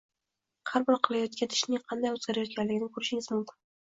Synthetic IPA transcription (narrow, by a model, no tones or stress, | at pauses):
haɾbɒɾqʰɨlˠajɒt̪̚kʲant̪ʰɪ̥ʃnɪŋqʰɑnd̪ajɵzɡʲaɾajɒt̪̚kʲʰanlɪɡʲɪnɪkʰʊɾɪʃɪŋɪzmʊmkʲʰɪn